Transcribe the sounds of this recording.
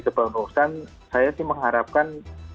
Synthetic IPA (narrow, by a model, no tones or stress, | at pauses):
kəb̥aunosan | sajasɪməŋɦaɾap̚kan